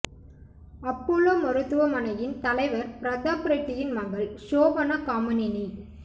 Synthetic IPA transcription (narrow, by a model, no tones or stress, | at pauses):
ɐpːuloːmɐɾɯt̪ːɯʋɐmɐnɐjɪnt̪ɐlɐɪʋɐɾpɪɾɐd̪aːpɾɐʈ̪ːɪjɪnmɐŋbɐɭʃoːʋɐnɐkaːmɐnɪni